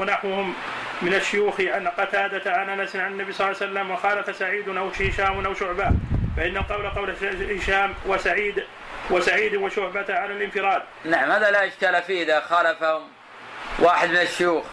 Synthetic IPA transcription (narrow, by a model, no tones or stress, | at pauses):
wanaħwhʊmː | ɪnaʃːʊjuːxʕanqɑt̪aːd̪at̪ʕanʔanasnʕanɪnːabisˤɑlːɑːsalːamwaxaːlafasaʕiːd̪nʔawɪʃaːmʊnʔawʃʊʕbafaʔɪnːaqɑwlqɑwlhɪʃaːmwasaʕiːd̪ | wɪsaʕiːd̪waʃʊhbat̪ʕanɪlʔɪnfɪɾˤɑːd̪̚ | naʕamhaːðalaʔɪd͡ʒkaːlafiːʔɪðaxaːlafahʊm | wʔaːħɪd̪mɪnaʃːʊjuːx